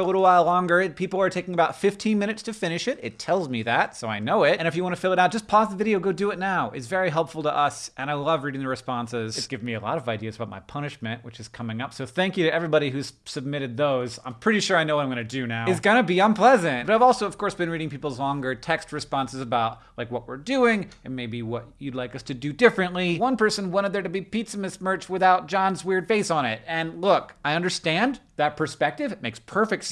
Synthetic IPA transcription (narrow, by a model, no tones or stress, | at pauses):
əlɪɾl̩ˠwaɪlˠlɔ̃ŋɡə˞ɨpʰipl̩ˠə˞tʰeɪkɪ̃ŋəbaʊtfɪftʰĩnmɪ̃ñɨtstʰɨfɪ̃ñɨʃɨɾɨtʰɛlˠzmiðætsoʊaɪnoʊɪt̚ɨ̃ñɨfjɨwɑ̃ɾ̃ɨfɪlˠəɾaʊdd͡ʒʌspʰɑðəvɪɾioʊɡoʊdɨɨtⁿnaʊʔɨtsvɛɹiɦɛlˠpfl̩ˠtʰəʔʌsʔɨ̃ñaɪlʌvɹiɾɪ̃ŋðɨɹɨspɑ̃nsɪz̥ɨt̚ɡ̥ɪvzmiɨlɔ̰ɾʌvaɪdiɨzəbaʊt̚maɪpʰʌñɨʃmɨ̃nʔwɨt͡ʃɨz̥kʰʌmɪ̃ŋʌpsoʊθæ̃ŋkjɨɾɨʔɛvɹibɑɾiɦʉz̥sɨb̚mɪɾɨd̪̚ðoʊz̥ã̰ɪ̃mpʰɹ̥ɪɾiʃʊɹaɪ̃noʊwʌãmɡʌ̃nɨdɨnaʊɨzɡʌnɨbiə̃npʰl̥ɛzɨ̃nt̚bʌɾaɪvɔlˠsoʊʌv̥kʰɔɹsb̥ɨ̃nɹiɾɪ̃ŋpipl̩ˠzlɔ̃ŋɡə˞tʰɛkst̚ɹɨspɑ̃nsɨzɨbaʊt̚laɪkwʌʔ̚wɪɹdʉɪ̃ŋɨ̃nmeɪbiwʌt͡ʃɨdˡlaɪkʌstʰɨdɨdɪfɹɨ̃nʔliwʌ̃npɜ˞sɨ̃nwɑ̃ɾ̃ɨd̪̚ðə˞ɾɨbipitsɨmɨsmɜ˞t͡ʃwɨθaʊt̚d̥ʒ̥ɑ̃nzwɪɹd̥feɪsn̩ɪt̚ɨ̃nlʊkaɪʌ̃ndə˞stæ̃nðɨt̚pʰə˞spɛk̚tɨvɨt̚meɪkspʰɜ˞fɨk̚ts